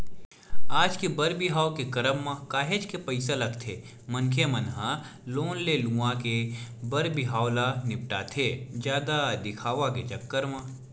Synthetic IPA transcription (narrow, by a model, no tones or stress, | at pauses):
aːd͡ʒkebɐɾbɪɦaːwkekɐɾəmːãkaːɦed͡ʒkepɐɪsalɐkt̪ʰeː | mɐnkʰemɐnɦãloːnlelũãkebɐɾbɪɦaːwlanɪp̚ʈat̪ʰeːd͡ʒjaːd̪ad̪ɪkʰaːʋaket͡ʃɐkːəɾmãː